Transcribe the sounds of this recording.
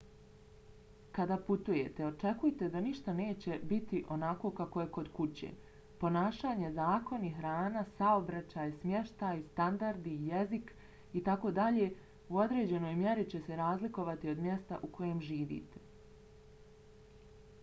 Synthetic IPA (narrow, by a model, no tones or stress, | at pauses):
kad̪aput̪uje̞t̪eo̞t͡ʃe̞kujet̪ed̪aniʃt̪ane̞ːt͡ɕe̞bit̪iʔo̞nako̞ːkakoje̞ko̞d̪kut͡ɕḛː | po̞naːʃaːɲe̞zaːko̞niɦɾaːnasao̞bɾat͡ɕaːjsmʲje̞ʃt̪ajst̪and̪aɾd̪ijezik | it̪ako̞ːd̪aʎe | uo̞d̪ɾe̞ːd͡ʑe̞no̞ːjmje̞ɾit͡ɕe̞seɾaːzliko̞ʋat̪io̞d̪mje̞st̪a̰ʔukʰo̞je̞mʒiːʋḭːt̪e̥